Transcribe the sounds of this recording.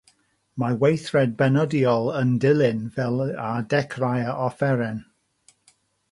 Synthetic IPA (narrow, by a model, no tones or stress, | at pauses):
mawejθrɛd̚bɛnɔdiɔlˠəndɪlˠɪnvɛlˠadɛkʰrajaɔfɛɾɛn